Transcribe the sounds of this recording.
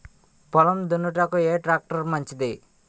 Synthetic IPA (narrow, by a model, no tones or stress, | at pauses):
pɔlɐmd̪unːuʈakueːʈɾaːk̚ʈɐɾmɐɲt͡ʃid̪i